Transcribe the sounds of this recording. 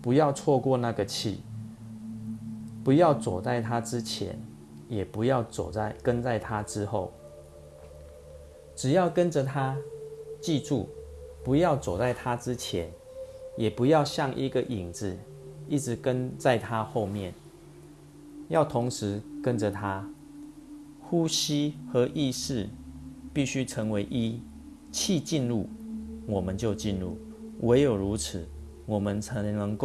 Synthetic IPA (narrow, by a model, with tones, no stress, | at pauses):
pu˧˥jɑ˥˧ʊt͡sʰwɔ˥˧kwɔ˥˧na˥˧˩ɡə˨t͡ɕʰḭ˥˨ | pu˨˥jɑ˥˨ʊt͡so˨˩t͡sa˥˩ɪt̪ʰa˦ʈ͡ʂɻ̩˦t͡ɕʰjɛ̰˧˦n | jɛ˨˩pu˧˥jɑ˥˩ʊt͡so˨˩a˥˩ɪkə˦nt͡sa˥˩ɪt̪ʰa˦ʈ͡ʂɻ̩˦xo˥˩ʊ | ʈ͡ʂɻ̩˨˩jɑ˥˩ʊkə˦˥nd͡ʒə˨t̪ʰa˦t͡ɕi˥˧ʈ͡ʂṵ˥˨˩pu˧˥jɑ˥˩ʊt͡so˨˩t͡sa˥˩ɪt̪ʰa˦ʈ͡ʂɻ̩˦t͡ɕʰjɛ˨˧˦n | jɛ˨˩pu˨˦jɑ˥˧ʊɕjɑ˥˨ŋʔi˧˦ɡə˨ʔi˨˩ŋd͡z̩˨˦ | i˥˩ʈ͡ʂɻ̩˧˦kə˦nt͡sa˥˨ɪt̪ʰa˦xo˥˧ʊmjɛ˥˨n | jɑ˥˩ʊt̪ʰʊ˨˦˥ŋʂɻ̩˧˦kə˦nd͡zə˨t̪ʰa˦ | xu˥˦ɕi˥xɤ˧˦ʔi˥˧ʂɻ̩˥˩pi˥˩ɕy˦˥ʈ͡ʂʰə˧˥ŋwe˧˥ɪʔi˦˥ | t͡ɕʰi˥˧t͡ɕi˥˧nɻu˥˩wɔ˨˩mə˨˦nt͡ɕjo˥˧ʊt͡ɕi˥˧nɻṵ˥˩ | wʔe˧˥ɪjo˨˩ʊɻu˧˥t͡s̩ʰ˨˦ | wɔ˨˩mə˦nʰə˧˦nə˧˦ŋko˥˨